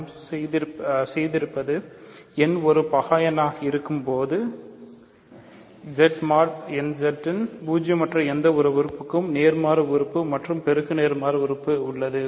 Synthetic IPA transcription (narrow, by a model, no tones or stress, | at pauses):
sɛjðɪɾsɛjðɪɾɯpːɐðɯɛnɔɾɯpɐɣaːjɐnaːɣɐɪɾɯkːɯmpoːðɯ | d͡ʒɛʈmaːɾʈɛnd͡ʒɛʈːɪnbuːd͡ʒɐmɐʈrɐɛnd̪ɐɔɾɯʋɪɾɯpːɯkːɯmneːɾmaːɾɐʋɪɾɯpːɯmɐʈrɯmpɛɾɯɣɯneːɾmaːɾɐʋɪɾɯpːɯʊɭːɐðɯ